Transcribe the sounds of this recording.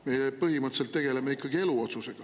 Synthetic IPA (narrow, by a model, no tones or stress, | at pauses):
me̞jepɤɦimət̪selt̪ːe̞ɡ̥e̞lemeikːˑɑɡ̥ie̞luot̪suse̞ɡ̥ɑ